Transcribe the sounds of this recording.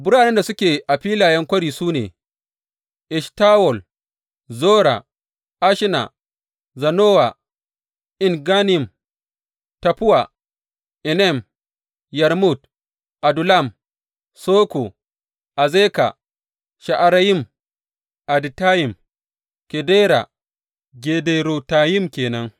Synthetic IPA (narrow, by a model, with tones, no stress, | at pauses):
bʊ˦ɽaː˨nɛ˦nda˨sʊ˦kʲeː˨ʔa˨ɸiː˦laː˨jɛ˦ŋkʷɐ˦ɽiː˨suː˦nḛː˨ | ʔɪ˨ʃtaː˦wɔ˨l | zoː˦ɽa̰˨ | ʔa˦ʃɪ˦na̰˨ | zɐ˨noː˦wa˨ | ʔɪ˦ŋɡaː˦n˦ɪ˨m | tɐ˨pʊ˦wa˨ | ʔɪ˨nɛ˦˨m | ja˨ɾmu˦˨t̚ | ʔa˨du˨la˦˨m | soː˦ko˨ | ʔa˨zeː˦ka̰˨ | ʃa˨ʔa˨ɾa˦ji˦˨m | ʔa˨di˨taː˦ji˨m | kɛ˨deː˦ɾa̰˨ | ɡe˨de˨ɾo˨taː˨ji˦mkʲeː˨nɐ˦ŋ